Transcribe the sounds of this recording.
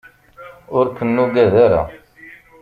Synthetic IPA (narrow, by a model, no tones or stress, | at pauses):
ʊɾkənːuɡæðæɾa̰